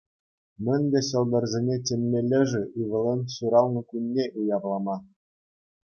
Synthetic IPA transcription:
mʲɘ̆nʲbʲeɕɤ̆lˠd̪ɤ̆rzʲenʲetʲemʲːelʲːɘ̆ʐɘ̆ʔiʋɤ̆lʲˠɤnʲsuɾɑlˠnɤ̆kunʲːeʔujɑplˠɑmɑ

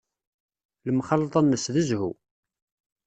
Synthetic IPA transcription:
ləmχɑlːt̪ˤɑnːəsðəzhṵ

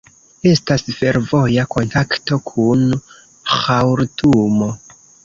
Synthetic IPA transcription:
e̞stasfe̞ɾvo̞jako̞ntakto̞kʰun | xawɾtʰumo̞

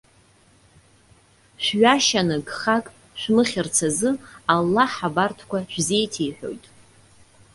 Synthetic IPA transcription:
ʃʷᶣɥaʃanɨɡχakʼ | ʃʷᶣmɨχʲɪrt͡sʰazɨalːaħabartʰkʷʰaʃʷᶣze̞jtʰejħʷᶣo̞̰jtʼ

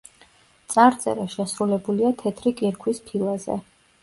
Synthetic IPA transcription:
t̪sʼaɾt̪sʼɛ̰ɾɛʃɛsɾulɛbuliat̪ʰɛt̪ʰɾikʼiɾkʰwispʰilˠazɛ̰

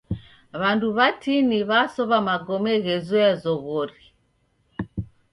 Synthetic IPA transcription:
βanduβatiniβasɔβamaɡɔmɛɣɛzɔazɔɣɔɾi

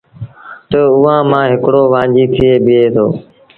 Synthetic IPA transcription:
t̪əʊːãːmãːɦɪkɽoːʋãːd͡ʒiːt̪ʰɪeːɓɪeːt̪ʰo̰ː

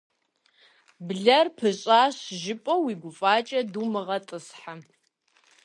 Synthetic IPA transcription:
bɮɐrpʰɨɕʼaːɕʒɪpʼɐwiːɡʷʊfʼaːt͡ʃʼɐduːmɨʁɐtʼɨsħa

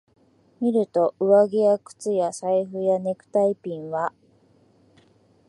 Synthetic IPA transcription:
mʲiɾɯ̟t̪o̞ʔɯ̟βaɡʲiakɯ̥t͡sɨjasaiɸɯ̟jane̞kɯ̟̥t̪aipʲĩɰ̃βa

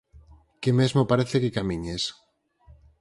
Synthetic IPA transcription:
kemezmopaɾeθekekamiɲes

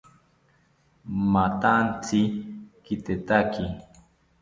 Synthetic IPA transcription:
mat̪ant͡sikit̪et̪aki

